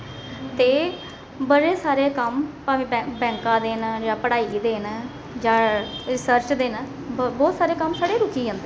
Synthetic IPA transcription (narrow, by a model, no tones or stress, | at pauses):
t̪eː | bəɾeːsaːɾeːkəmpaːʋĩːbɛbɛ̃ːŋkãːd̪eːnd͡ʒãːpəɽaːiːd̪eːn | d͡ʒãːɾɪsəɾt͡ʃd̪eːn | bɔːt̪saːɾeːkəmsaːɽeːɾʊkiːɦə̃ːnd̪e